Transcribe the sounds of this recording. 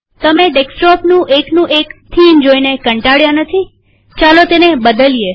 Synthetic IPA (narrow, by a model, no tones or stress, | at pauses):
t̪əmeɖeksʈɔpnũʔeknũʔekt̪ʰind͡ʒoinekəɳʈaɽjanət̪ʰi | t͡ʃalot̪enebəd̪əlije